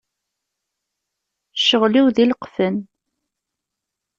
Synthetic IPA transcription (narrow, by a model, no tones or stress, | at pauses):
ʃəʁliwðiləqfən